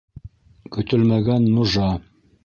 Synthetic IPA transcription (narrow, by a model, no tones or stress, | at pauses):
kɵ̆t̪ɵlmæɡænːŏʒɑ